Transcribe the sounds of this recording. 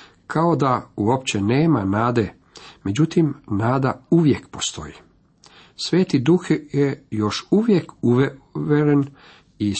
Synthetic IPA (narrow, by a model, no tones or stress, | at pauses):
kʰao̞d̪auop̚t͡ɕe̞neːmanaːd̪e̞ | me̞d͡ʑut̪imnaːd̪auʋje̞kpo̞̥st̪o̞̰jḭ | sʋe̞ːt̪id̪uxjejo̞ʃuʋje̞kuʋʋeɾen | i